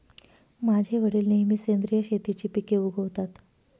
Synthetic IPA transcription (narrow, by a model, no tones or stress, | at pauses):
mad͡ʑʱeʋəɽiːlneɦimiːsend̪ɾijəɕet̪it͡ɕiːpikeuɡʱəʋt̪at̪